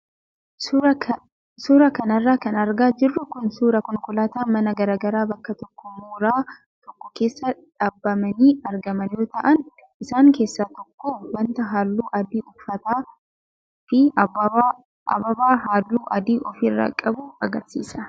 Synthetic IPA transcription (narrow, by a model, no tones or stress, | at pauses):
suːɾɐkɐnɐrːaːkɐnɐɾɡaːd͡ʒɪrːʊkʊnsuːɾɐkɔŋkʊlaːt̪aːmɐnɐɡɐɾaːɡɐɾaːbɐkːɐt̪ɔkːɔmuːɾaː | t̪ɔkːɔke̞ːsːɐᶑaːbːɐmɐniːɐɾɡɐmɐnjoːt̪ɐʔɐn | ʔɪsaːŋke̞ːsːat̪ɔkːowɐnt̪ɐɦaːlːuːʔɐd̪iːʔʊfɐt̪aː | fɪ | ɐ̰bɐbaːɦaːlːuːʔɐd̪iːʔɔfɪrːa̰ːkʼɐbuːɐɡɐɾsḭːsɐ